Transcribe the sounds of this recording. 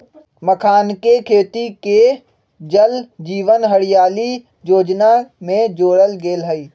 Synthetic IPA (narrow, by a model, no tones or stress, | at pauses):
məkʰaːnkekʰeːt̪ike | d͡ʒəld͡ʒiːʋənɦəɽɪjaːli | joːd͡ʒnamẽd͡ʒoːɽəlɡeːlɦəiː